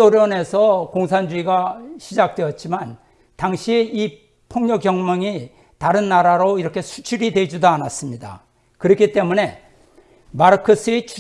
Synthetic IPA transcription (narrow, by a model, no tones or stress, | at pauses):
oɾjʌne̞sʰʌkoŋsʰand͡ʑuiɡaɕʰid͡ʑak̚t͈we̞jʌt̚t͡ɕ͈iman | taŋɕʰiei | pʰoŋɲʌkjʌŋmʌŋi | taɾɯnːaɾaɾoiɾʌkʰe̞sʰu̥t͡ɕʰuɾidwe̞d͡ʑudoanas͈ɯmɲida̰ | kɯɾʌkʰit͈e̞mune̞ | maɾkʰos͈ʰɯet͡ɕʰu